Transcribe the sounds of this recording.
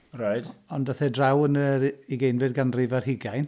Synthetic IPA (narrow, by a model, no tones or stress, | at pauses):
raɨd̥ɔndaθɛdrawənəɾiɡejnvɨdɡanrɪvarhɪɡajn